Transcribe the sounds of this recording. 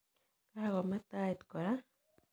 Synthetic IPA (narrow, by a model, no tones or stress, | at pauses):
kahaɣɔmɛt̪ait̪kɔɾa